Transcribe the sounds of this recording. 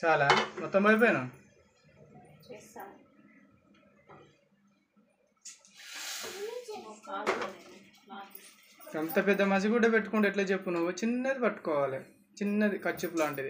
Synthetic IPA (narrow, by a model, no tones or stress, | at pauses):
t͡ʃaːlaːmɔt̪ːɐmbɐjp̬oːjnɐ | ɐnt̪ɐpɛd̪ːɐmɐs̬ikuːɽɐpe̞ʈːukuɳɖeʈlaːt͡ʃe̞pːunuʋːut͡ʃinːɐd̪ipɐʈːu̥kɔːʋaːli | t͡ʃinːɐd̪ikɐt͡ʃːupuloːɐɳʈid̪i